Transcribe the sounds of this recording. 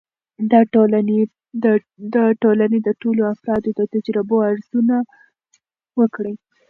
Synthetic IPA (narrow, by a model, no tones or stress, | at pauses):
d̪ɑʈolane | d̪ɑʈolaned̪əʈoloafɾɑd̪od̪ət̪ad͡ʒɾɪboaɾzuna | wəkɽi